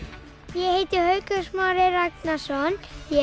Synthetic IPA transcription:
jɛhejt̪ɪhœɥkœsmaːɾɪɾak̪nasɔnjɛ

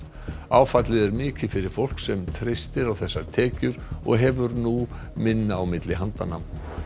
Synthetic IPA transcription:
aːwfat̪lɪðɛɾmɪːcɪfɪɾɪɾ̥fowl̥ksɛmt̪ʰɾejst̪ɪɾawθɛsːaɾ̥t̪ʰɛːcʏɾɔ̰ɣɦɛvʏɾnu | mɪnːaawmɪt̪lɪɦant̪anam

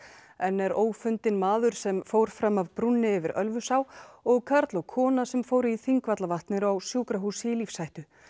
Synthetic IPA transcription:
ɛnːɛɾoːwfʏnt̪ɪnmaːðʏɾ̥sɛmfoːwɾ̥fɾamavpɾunːɪʏvɪɾʔœ̰lvʏsawɔɣkʰaɾt̪lɔɣkʰɔːnasɛmfoːwɾɪiθiŋkvat̪lavaht̪nɪɾawsjuːkɾaɦusilifsajht̪ʏ

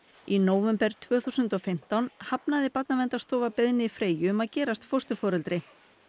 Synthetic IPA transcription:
inoːwvɛmpɛɾ̥t̪ʰvœːθusʏnt̪ɔfɪm̥t̪awnhapnaðɪpat̪̚navɛnt̪ast̪ɔːvapɛðnɪfɾeːjʏːmaðcɛːɾast̪fɔst̪ʏfɔːɾɛlt̪ɾɪ

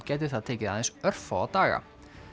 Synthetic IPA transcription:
cɛːt̪̬ʏ̥θaðt̪ʰeːcɪaðensœɾ̥faat̪aːɣa̰

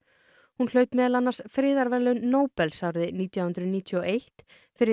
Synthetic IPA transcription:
hunl̥œːɥt̪mɛːðalanːasfɾɪːðaɾvɛlʏnoːwpɛlsawɾðɪniːt̪jawhʏnt̪ɾʏðniːt̪ʰjɔʔejht̪ | fɪɾɪ

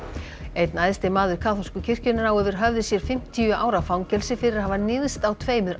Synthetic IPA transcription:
ejt̪najðst̪ɪmaːðʏɾ̥kʰaːθɔ̥skʏcʰɪr̥cʏnɪnawœːðʏɾ̥ɦœvðɪsjɛɾ̥fɪm̥t̪ʰiʏʔa̰ːwɾafawŋcɛlsɪfɪɾɪɾahɦavanɪðst̪awt̪ʰveːjmʏɾ

